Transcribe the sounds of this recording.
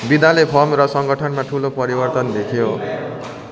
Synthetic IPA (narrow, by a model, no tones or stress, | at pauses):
bid̪alepʰʌmrʌsʌŋɡʌʈʰʌnmaʈʰulopʌɾibʌrt̪ʌnd̪ekʰjo